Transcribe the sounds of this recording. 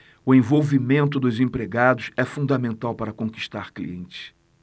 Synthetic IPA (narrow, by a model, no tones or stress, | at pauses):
ʊẽj̃vowvimẽnt̪̬ʊd̪ʊzẽpɾeɡad̪ʊsɛfũnd̪amẽnt̪awpaɾɐkõki̥ʃt̪aɾklḭḛ̃nt͡ʃɪ̥s